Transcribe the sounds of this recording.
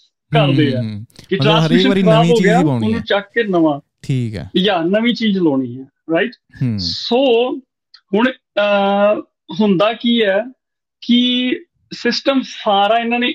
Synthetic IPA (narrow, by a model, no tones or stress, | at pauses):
kəɾd̪eːɛːkɪʈɾaːɪkaːbɦoːɡɪjaːʊnũːt͡ʃəkːeːnəʋãːikjaːnəʋĩːt͡ʃiːd͡ʒloːɽ̃iːɛː | ɾaɪʈ | soː | ɦʊɳ̃ | ɦʊnd̪aːkiːɛː | kɪ | sɪsʈəmsaːɾaːɪnːãːneː